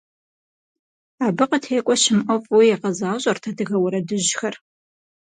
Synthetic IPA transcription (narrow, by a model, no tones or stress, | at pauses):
aːbɨqətʰeːkʷʼɔɕɪmʔɐfʼujɛqɐzaːɕʼɐrtʰɐdɨɣɐwɐɾɐdɨʑxɐr